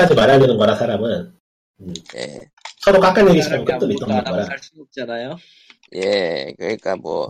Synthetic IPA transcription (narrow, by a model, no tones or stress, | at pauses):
ad͡ʑimaɾadɯnɯnɡʌɾasʰaɾamɯn | ɯmjḛ | sʰʌɾok͈ak͈anɲeɡiɕʰimak͈ɯt̚t͈omit͈ʌmnɯnɡʌɾat͡ɕanajo | jekɯnik͈amwʌ̰